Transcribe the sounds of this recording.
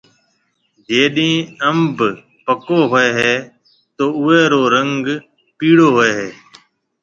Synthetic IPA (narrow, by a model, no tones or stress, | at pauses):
d͡ʒeːɗĩːəmb | pəkoːɦoeːɦeː | t̪oːʊeːɾoːɾəŋɡ | piːɽoːɦoeːɦeː